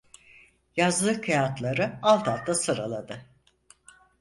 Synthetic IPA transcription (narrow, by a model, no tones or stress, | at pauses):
jazlˠɯkʰajat̪lˠaɾɯalˠt̪ʰalˠt̪ʰːasɯɾa̰lˠad̪ɯ